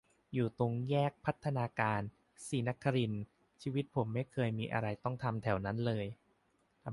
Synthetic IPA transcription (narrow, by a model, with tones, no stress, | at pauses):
juː˨˩t̪o˧ŋjɛː˥˩k̚pʰa˦˥t̪ʰːa˧naː˧kaː˧n | siː˩˦na˦˥kʰːa˧ɾi˧n | t͡ɕʰiː˧wi˦˥t̪̚pʰo˩˦mːa˥˩jkʰɤː˧jmiː˧ʔa̰˧ɾa˧jt̪ɔ˥˩ŋt̪ʰa˧mt̪ʰɛ˩˦wna˦˥nlɤː˧j